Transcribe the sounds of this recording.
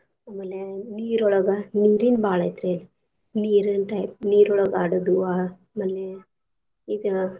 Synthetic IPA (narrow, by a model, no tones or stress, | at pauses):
ɐmɐleniːɾɔɭɐɡɐniːɾinbaːɭɐjt̪ɾel | niːɾɨnʈajp̚niːɾɔɭɐɡaːɖɐd̪ua | mɐle | id̪ɨ